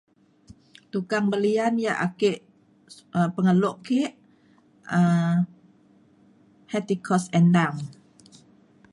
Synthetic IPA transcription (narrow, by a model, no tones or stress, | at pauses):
t̪ukaŋbəlianjaʔakeʔ | əpəŋəloʔkeʔ | ə | hɛt̪ikʰɔsɛndam